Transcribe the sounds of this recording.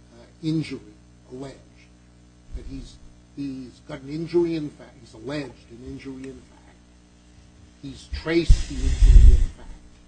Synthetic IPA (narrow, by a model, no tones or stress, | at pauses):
ɪ̃nd͡ʒə˞i | əlɛ̥d͡ʒd | b̥ʌt̚hiz | izɡɑɾn̩ɪ̃nd͡ʒə˞iɨ̃nfæhizəlɛd͡ʒdɨ̃nɪ̃nd͡ʒə˞iɨ̃nfæk̚t̚ | hiz̥tʰɹ̥eɪsðiɪ̃nd͡ʒə˞ḭɪ̃nfæk̚t̚